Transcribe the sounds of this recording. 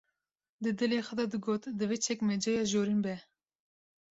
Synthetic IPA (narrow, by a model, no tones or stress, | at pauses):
d̪ɨd̪ɨleːxəd̪ɑːd̪ɨɡoːt̪d̪ɨvet͡ʃʰɛkmɛd͡ʒɑːjɑːʒoːɾinbɛ